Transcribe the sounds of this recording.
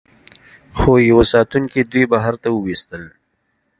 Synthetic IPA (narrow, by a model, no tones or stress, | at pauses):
xojɐwosaːt̪unked̪wibaɦaɾt̪aʊwist̪əl